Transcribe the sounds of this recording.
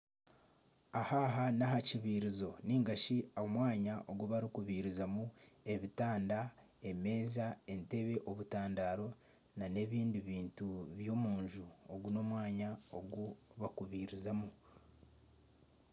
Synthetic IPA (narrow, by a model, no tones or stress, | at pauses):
ahaɦanaɦaciβiːɾizo̞niːŋɡaʃiaomwaːɲaʔo̞ɡuβaɾikuβiɾizamue̞βitaːnda | e̞me̞ːzae̞nte̞βe̞ʔo̞βutaːndaːɾo̞ | nane̞βiːndiβiːntuβjo̞ːmuːɲʒuoɡuno̞mwaːɲao̞̰ɡuβakuβiɾizamu